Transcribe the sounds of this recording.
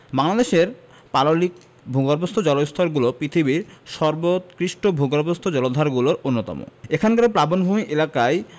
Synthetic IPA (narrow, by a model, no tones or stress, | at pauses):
baŋlad̪eʃeɾ | palolik | bʱuɡaɾbost̪ʰod͡ʑɔlost̪ʰɔɾɡulopɾit̪ʰibiɾʃɔɾbot̪kɾiʃʈobʱuɡaɾbost̪ʰod͡ʑɔlod̪ʱaɾɡuloɾonːot̪ɔ̰mo̰ekʰankaɾepɾabonbʱumiʔelakae